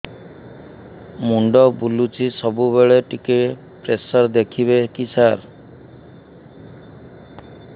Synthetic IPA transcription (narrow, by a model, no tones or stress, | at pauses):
muɳɖɔbulut͡ʃʰisɔbuβeɭeʈike | pɾesɔɾd̪ekʰiβekisaɾ